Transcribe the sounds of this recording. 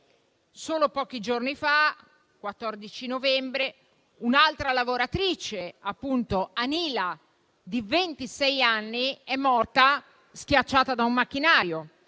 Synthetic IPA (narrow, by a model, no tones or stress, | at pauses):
soːlopɔːk̟id͡ʒornifa | kwat̪ːɔrd̪it͡ʃinovɛmbɾe | unalt̪ɾalavoɾat̪ɾit͡ʃeapːunt̪oaniːla | d̪ivent̪isɛjanːiɛmːɔrt̪a | skjat͡ʃːaːt̪ad̪aumːak̟ːinaːɾjo